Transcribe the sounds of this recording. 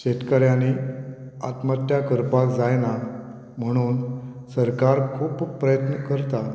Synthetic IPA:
ɕet̪kəɾjani | at̪mat̪ːjakəɾpakd͡zajna | m̤əɽ̃uːnsəɾkaɾkʰuːppːɾəjət̪nəkəɾt̪a

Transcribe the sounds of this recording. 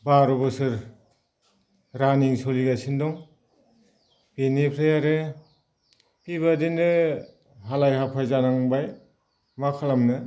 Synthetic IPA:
baɾɔbɔsɯɾ | ɾaniŋsoliɡasindɔŋ | b̥enipʰɾejaɾe | piβadinɯ | ɦalajɦapʰajzanaŋbaj | makʰalamnɯ

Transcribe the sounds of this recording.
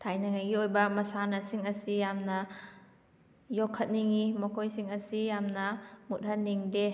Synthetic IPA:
tʰajnɐŋajɡiojbɐmɐsanɐsiŋɐsijamnɐ | jɔkʰːɐt̚niŋimɐkʰojsiŋɐsijamnɐmut̚ɦɐnnːiŋde

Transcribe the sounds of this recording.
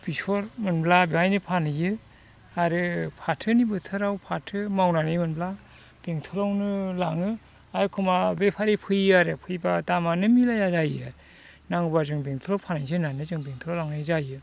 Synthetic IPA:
b̥isɔɾmɯnblabiɦajnɯpʰanajɯ | aɾɯpʰatʰɯnibɯtʰɯɾawpʰatʰɯmawnanɯjmɯnbla | b̥eŋtʰɯlawnɯlaŋɯ | aɾɯkʰɯmabepʰaɾipʰɯjaɾɯpʰɯjbadamanɯmilajazaja̰ɾ | naŋbazɯŋbeŋtʰɔlawpʰanajzɯnanɯzɯŋbeŋtʰɔlawlaŋnazajɯ

